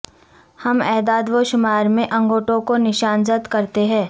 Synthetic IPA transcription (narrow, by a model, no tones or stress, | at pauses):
hɐmɛːd̪aːd̪ʋoʃʊmaːɾmẽʔɐ̃ŋɡoːʈõkonɪʃaːnzət̪kɐɾt̪eɦɛ̃ː